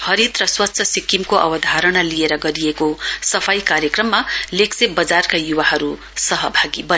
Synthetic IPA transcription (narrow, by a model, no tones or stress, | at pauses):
hʌɾit̪rʌswʌtːsʰʌsikːimkoʔʌ̰bʌd̪ʱaɾʌnalieɾʌɡʌɾijekosʌpʰajkaɾjʌkrʌmːaleksebʌd͡zarkajuwaɦʌɾu | sʌɦʌbʱaɡibʌ